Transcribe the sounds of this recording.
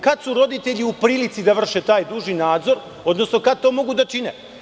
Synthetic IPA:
kad̪suɾo̞d̪it̪e̞ʎiupɾiːlit̪sid̪aʋr̩ʃet̪aːjd̪uːʒinaːd̪zo̞ɾ | o̞d̪no̞sno̞kad̪̚t̪o̞ːmo̞ɡud̪at͡ʃine

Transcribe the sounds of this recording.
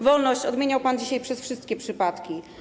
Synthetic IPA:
vɔlnɔɕt͡ɕɔd̪mʲeɲawpand͡ʑiɕajpʂɛsfʂɘst̪̚kʲɛpʂɘpat̪kʲi

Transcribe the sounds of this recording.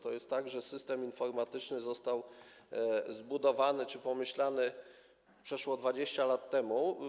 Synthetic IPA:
t̪ɔjɛst̪ːaɡʐɛsɘst̪ɛminfɔɾmat̪ɘt͡ʂnɘzɔst̪aw | zbud̪ɔvanɘt͡ʂɘpɔmɘɕlanɘ | pʂɛʂwɔd̪vad͡ʑeɕt͡ɕalat̪ːɛmu

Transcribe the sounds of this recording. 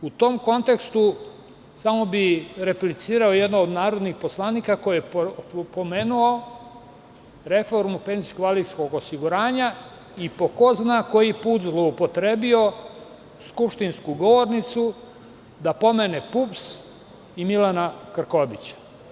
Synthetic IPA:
ut̪o̞ːmko̞nt̪e̞kst̪u | samo̞biɾe̞plit̪siːɾaojed̪noːd̪naːɾo̞d̪nixpo̞slˠaːniːkako̞jiepome̞ːnuo̞ | ɾe̞fo̞ɾmupe̞nziskʋalisko̞ɡosiɡuɾaːɲa | ipo̞koznako̞jipuːt̪zlˠo̞upo̞t̪ɾe̞ːbio̞ | skupʂt̪inskuɡo̞ʋo̞ɾnit̪su | d̪apo̞me̞nepups | imilanakr̩ko̞bit͡ɕḁ

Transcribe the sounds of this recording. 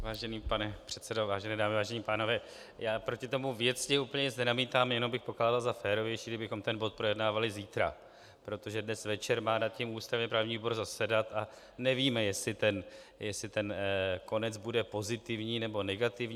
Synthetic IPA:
vaːʒɛniːpanɛpr̝̥ɛt̪t͡sɛdovaːʒɛnɛːdaːmɪvaːʒɛɲiːpaːno̞vɛː | jaːpɾo̞cɪt̪o̞muvjɛt͡scɪʔupəɲɛt͡snɛnamiːt̪aːmjɛnombɪxpo̞klaːdalzafɛːɾo̞vjɛjʃiːɡdɪbɪxo̞mt̪ɛnbo̞t̪̚pɾo̞jɛdnaːvalɪziːt̪ɾa̰ | pɾo̞t̪o̞ʒɛdnɛsvɛt͡ʃɛɾmaːdat̪̚cimuːst̪ɾavɲɛpɾavɲiːboɾzasɛdat̪a | nɛviːmɛjɛslɪt̪ɛn | jɛsɪt̪ɛnko̞nɛd͡zbudɛpo̞zɪt̪ɪvɲiːnɛbo̞nɛɡat̪ɪvɲː

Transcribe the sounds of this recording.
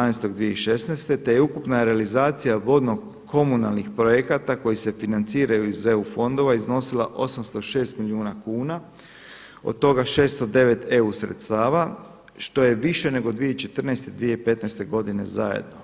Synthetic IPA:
anest̪o̞ɡd̪ʋijeiʃe̞snest̪e̞t̪ejeukupnaɾealizaːt̪sijaʋo̞d̪no̞ɡ | kʰo̞munalˠnixpɾo̞jekat̪ako̞jise̞finant̪siːɾajuizeufo̞nd̪o̞ʋaizno̞sila̰ʔo̞samst̪o̞ʃe̞ːst̪miliuːnakuːna | o̞̰d̪̚t̪o̞ɡaʃe̞ːst̪od̪e̞ʋe̞t̪ʰe̞usɾḛt̪st̪aːʋa | ʃt̪o̞je̞ʋiʃe̞ne̞ɡo̞d̪ʋijet͡ʃe̞t̪r̩nest̪e̞d̪ʋije̞ipe̞t̪nest̪e̞ɡo̞d̪ine̞zajḛd̪no̞

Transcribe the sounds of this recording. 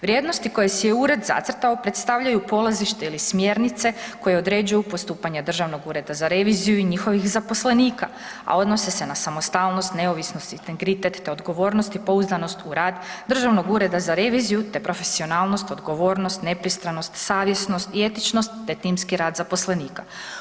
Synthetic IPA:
ʋɾʲje̞ːd̪nost̪iko̞jesijeuɾe̞d̪za̰t̪srt̪aopɾe̞t̪st̪aʋʎajupo̞laziʃt̪e̞ilismje̞ːɾnit̪se̞ko̞je̞o̞d̪ɾe̞d͡ʒujupost̪uːpaɲed̪r̩ʒaʋno̞ɡuɾe̞d̪azaɾe̞ʋizijuiɲixo̞ʋixzapo̞sle̞niːka̰ | a̰o̞d̪no̞sese̞nasamost̪aːlˠno̞st̪ne̞o̞ʋisnost̪it̪eŋɡɾit̪et̪ːeo̞d̪ɡo̞ʋo̞ːɾnost̪ipo̞uzd̪ano̞st̪uɾaːd̪d̪r̩ʒaʋno̞ɡuɾe̞d̪azaɾe̞ʋizijut̪e̞pɾo̞fe̞sio̞naːlˠno̞st̪o̞d̪ɡo̞ʋo̞ːɾno̞st̪ne̞pɾist̪ɾano̞st̪saːʋje̞sno̞st̪ie̞t̪it͡ʃno̞st̪ːe̞t̪iːmskiɾaːd̪zapo̞sle̞niːka̰

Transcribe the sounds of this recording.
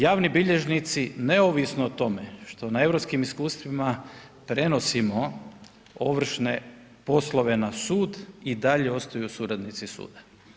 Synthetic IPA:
jaːʋnibiʎe̞ʒnit̪sine̞oʋisnoːt̪o̞meʃt̪o̞nae̞ʋɾopskimiskuːst̪ʋima | pɾe̞no̞simo̞ | oʋr̩ʃne̞ | po̞slˠoʋe̞nasuːd̪id̪aʎeo̞st̪ajusuːɾad̪nit̪sisṵːd̪a

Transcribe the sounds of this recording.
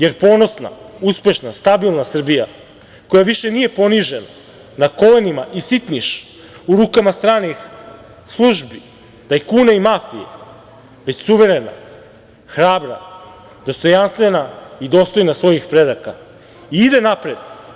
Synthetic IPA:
je̞ɾpo̞ːno̞sna̰uspe̞ʃnast̪abilˠnasr̩bija̰ | ko̞jaʋiʃenije̞po̞niʒena | nako̞lenimaʔisit̪niʃ | uɾuːkamast̪ɾaːnix | slˠuʒbi | d̪̥ajkuːnaimafijḛ | ʋe̞t͡ɕsuʋe̞ɾe̞na̰ | xɾaːbɾa̰ | d̪̥o̞st̪o̞janst̪ʋe̞naid̪o̞ːst̪ojnasʋo̞jixpɾe̞d̪aka | iid̪e̞napɾed̪

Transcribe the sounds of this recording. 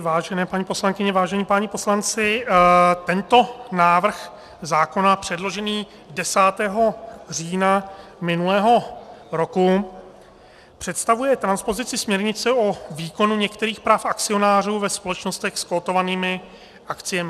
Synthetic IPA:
vaːʒɛnɛːpaɲipo̞slaŋkɪɲɛvaːʒɛɲiːpaːɲɪpo̞slant͡sɪ | t̪ɛnt̪o̞naːvr̩x | zaːko̞napr̥ɛdlo̞ʒɛniː | dɛsaːt̪ɛːɦo̞r̝iːnamɪnulɛːɦo̞ɾo̞ku | pr̝̥ɛt̪st̪avujɛt̪ɾanspo̞zɪt͡sɪsmɲɛɾɲɪt͡sɛoviːko̞nuɲɛkt̪ɛɾiːxpɾaːfakt͡sɪo̞naːr̝uːvɛspo̞lɛt͡ʃno̞st̪ɛxskoːt̪o̞vaniːmɪ | ʔakt͡sɪjɛmɪ

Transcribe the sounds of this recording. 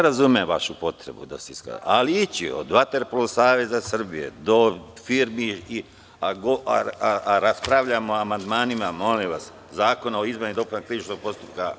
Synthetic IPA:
ɾazumeʋaʃupo̞t̪ɾe̞̰bṵd̪a̰seiska̰aliit͡ɕio̰d̪ʋat̪e̞ɾpolusaːʋe̞zasr̩bije̞̰d̪o̞fiɾmii | aɡoa̰aaɾaspɾaʋʎamoamand̪maːnimamo̞limʋas | zaːkonaoizmenid̪o̞poakɾiʋit͡ʃnoɡ̚po̞st̪upka

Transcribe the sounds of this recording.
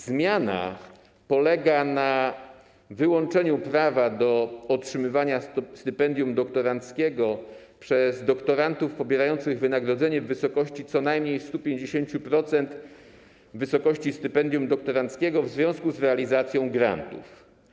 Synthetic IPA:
zmʲjana̰ | pɔlɛɡana | vɘwɔnt͡ʂɛɲupɾavad̪ɔɔtʂɘmɘvaɲast̪ɘpɛnd̪jumd̪ɔkt̪ɔɾant̪skʲɛɡɔ | pʂɛzd̪ɔkt̪ɔɾant̪ufpɔbʲjɛɾajɔnt̪sɘɣvɘnaɡɾɔd̪zɛɲɛvɘsɔkɔɕt͡ɕit̪sɔnajmɲejst̪upʲjeɲd͡ʑeɕeɲt͡ɕupɾɔt̪sɛnt̪ | vɘsɔkɔɕt͡ɕist̪ɘpɛnd̪ʲjumd̪ɔk̚t̪ɔɾant̪skʲɛɡɔvzvʲjɔ̃skuzɾɛalʲizat̪sʲjɔ̃w̃ɡɾa̰nt̪ṵf

